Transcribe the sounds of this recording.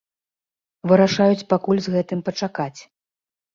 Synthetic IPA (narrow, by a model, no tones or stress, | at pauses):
vɨɾaʂajut͡sʲpakulʲzɣɛt̪ɨmpɐt͡ʂakat͡sʲ